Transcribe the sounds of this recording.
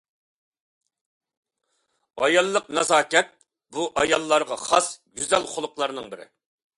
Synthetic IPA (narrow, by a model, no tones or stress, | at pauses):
ɑjɑlˠːəqnɑzɑːkʲɛt̪̚ | buʔɑjɑlˠːɑɾʁɑχɑsɡʲyzɛlχʊlˠʊqlˠɑɾnɨŋbɪɾɪ̰